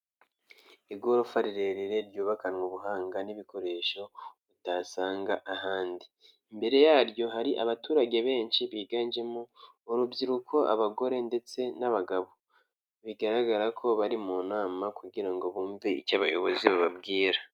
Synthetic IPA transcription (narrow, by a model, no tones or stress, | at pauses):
iɡoɾofaɾiɾe̞ɾiɾe̞ɾɟuːβakanwuβuɦaːŋɡaniβiko̞ɾe̞ːʃo̞βutasaːŋɡaʔahaːndi | mbe̞ɾe̞jaːɾjo̞ɦaɾiʔaβatuːɾaɟe̞βe̞ːnʃiβiːɡaːnd͡ʒe̞muː | ɾubɟiɾukʰo̞ʔa̰βaɡo̞ɾe̞nde̞t͡se̞naβaɡaβo̞ | βiɡaɾaɡaɾakʰo̞βaɾimunaːmakuɟiɾaŋɡo̞βuːmbiḭcaβajo̞̰βo̞̰ziβaβabɡiːɾa